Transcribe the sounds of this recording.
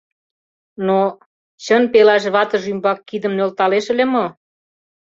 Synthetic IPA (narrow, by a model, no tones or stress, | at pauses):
no | t͡ɕənpelɑʃ̬βɑt̪ə̆ʒymbɑkːid̪ə̆mnølt̪ɑleʃə̆lʲemo